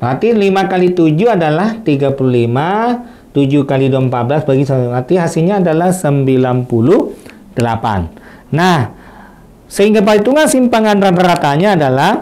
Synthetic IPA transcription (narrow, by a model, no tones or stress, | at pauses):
pat̪ilimakalit̪ud͡ʒuadalaht̪iɡapululima | t̪ud͡ʒukalidɔmpat̪̚bəlasbaɡisaat̪iɦasilɲaːdalahsəmbilanpulu | d̥əla̰pa̰nː | ah | səɦiŋɡap̬ait̪uŋasimpaŋanrad̪aɾat̪aɲaːdalah